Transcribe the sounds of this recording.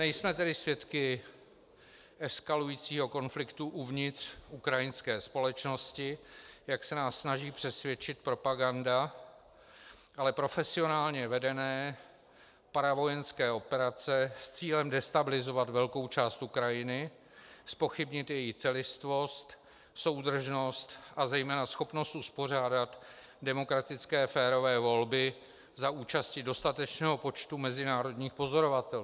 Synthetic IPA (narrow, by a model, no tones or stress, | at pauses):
nɛjsmɛt̪ɛdɪsvjɛt̪kɪ | ʔɛskalujiːt͡siːɦo̞ko̞nflɪkt̪uʔuvɲɪt̪r̥ukɾajɪnskɛːspo̞lɛt͡ʃno̞scɪjaksɛnaːsːnaʒiːpr̥ɛsvjɛt͡ʃɪt̪̚pɾo̞paɡanda | ʔalɛpɾo̞fɛsɪo̞naːlɲɛvɛdɛnɛː | paɾavo̞jɛnskɛːʔo̞pɛɾat͡sɛst͡siːlɛmdɛst̪abɪlɪzo̞vat̪vɛlko̞wt͡ʃaːst̪ukɾajɪnɪ | spo̞xɪbɲɪt̪jɛjɪxt͡sɛlɪst̪vo̞st̪ | so̞wd̪r̩ʒno̞st̪ʔazɛjmɛːnasxo̞pno̞st̪ʔuspo̞r̝aːdat̪dɛmo̞kɾat̪ɪt͡skɛːfɛːɾo̞vɛːvo̞lbɪ | zauːt͡ʃascɪdo̞st̪at̪ɛt͡ʃnɛːɦo̞po̞t͡ʃt̪umɛzɪnaːɾo̞dɲiːxpo̞zo̞ɾo̞vat̪ɛl